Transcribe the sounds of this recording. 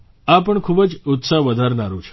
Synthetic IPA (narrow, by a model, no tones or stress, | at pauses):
apəɳkʰubəd͡ʒʊt̪saɦʋəd̪ʱaɾnaɾũt͡ʃʰe̥